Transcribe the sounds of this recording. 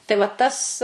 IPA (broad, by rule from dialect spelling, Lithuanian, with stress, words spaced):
tɐɪ ʋɐ ˈtɐs